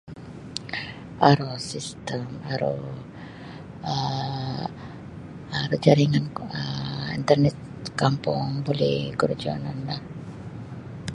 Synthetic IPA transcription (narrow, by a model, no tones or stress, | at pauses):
ʔaɾosist̪əmaɾṵ | aɾud͡ʒaɾiŋanəḭnt̪ərnɛt̪̚ | kampuŋbolɛhɡurd͡ʒɔ̰nanlah